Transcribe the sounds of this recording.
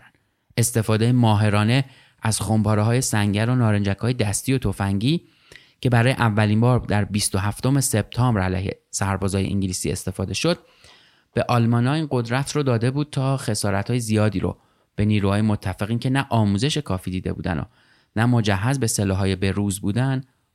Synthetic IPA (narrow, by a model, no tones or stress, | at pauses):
n | e̞st̪e̞fɒːd̪ejemɒːɦe̞ɾɒːne̞ | ʔæz̥xombʰɒːɾeɦɒːje̞sæŋɟæɾonɒːɾend͡ʒækʰhɒːje̞d̪æst̪iːo̞t̪ʰofæŋɟiː | cʰe̞bæɾɒːjḛʔævːæliːmbɒːɾd̪æɾbist̪o̞ɦæft̪o̞me̞se̞b̥̚t̪ʰɒːmbɾælæ̰jhḛsæɾbɒːzɒːjḛʔḭŋɲɟiliːsiːe̞̰st̪e̞fɒːd̪e̞ʃod̪̥̚ | b̥e̞ʔɒːlmɒːnɒːiːnɢo̞d̪ɾæt̪ʰɾod̪ɒːd̪e̞buːd̪̥̚t̪ʰɒːxe̞sɒːɾæt̪ʰhɒːjezijɒːd̪iːɾo̰ | b̥e̞niːɾuːhɒːjemo̞t̪ʰːæfeɣiːncʰe̞næʔɒːmuːze̞ʃe̞kʰɒːfiːd̪iːd̪e̞̰bṵːd̪æ̰no̰ | næmo̞d͡ʒæhɦːæzbe̞selɒːɦɒːje̞be̞ɾuːzbuːd̪ænd̪